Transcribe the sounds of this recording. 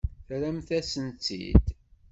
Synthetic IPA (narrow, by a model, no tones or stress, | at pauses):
θɾæmθæsənt͡sːḭd̪